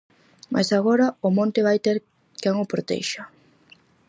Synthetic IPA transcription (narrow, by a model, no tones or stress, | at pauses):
mʔa̰jsaɣoɾɐʊmõnt̪ɪβajt̪eɾ | kɛŋʊpɾot̪ḛjʃa